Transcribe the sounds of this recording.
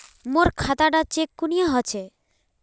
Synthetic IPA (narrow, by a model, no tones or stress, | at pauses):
moɾkʰat̪aʈat͡ɕekːunijaɦɔt͡ɕʰe